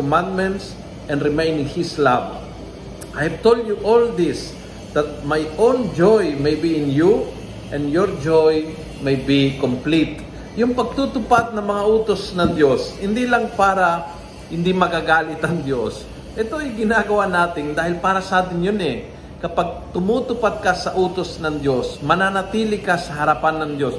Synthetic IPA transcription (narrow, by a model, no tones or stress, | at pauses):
komãnd̪̚mɛ̃nt̪s | ʔɛ̃ndɾɪmejnɪŋhislab | ʔajhɐvt̪old̪juʔold̪ɪs | d̪̥ɐt̪̚majʔõwnd͡ʒojmejbiɪ̃nju | ʔɛ̃njoɹd͡ʒoj | mejbikomplit̪̚ | jʊŋpɐɡ̚t̪ut̪ʊpat̪̚nɐŋmɐŋaʔuːt̪osnɐŋd̪jo̞shɪnd̪ilɐŋpaːɾɐ | hɪnd̪imɐɡaɡaːlɪt̪ʔɐŋd̪jos | ʔɛt̪o̞ɐjɡɪnaɡɐwanaːt̪ɪŋd̪aːhɪlpaːɾɐsɐaːt̪ɪnjonɛ | kɐpaɡ̚t̪ʊmut̪ʊpat̪̚kasɐʔuːt̪osnɐŋd̪jo̞smɐnanɐt̪iːlɪkasɐɦɐɾɐpanːɐŋd̪jo̞s